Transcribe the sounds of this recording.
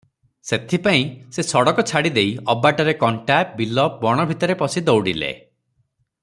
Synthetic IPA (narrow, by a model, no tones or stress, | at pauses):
set̪ʰipaĩsesɔɽɔkɔt͡ʃʰaɽid̪ejɔbaʈɔɾekɔɳʈap̚bilɔp̚bɔɽ̃ɔbʱit̪ɔɾepɔsid̪ɔwɽilḛ